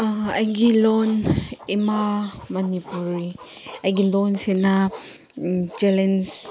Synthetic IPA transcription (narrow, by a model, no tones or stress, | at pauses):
ɐjɡilɔnemamɐnipuɾi | ɐjɡilɔnsena | d͡ʒelens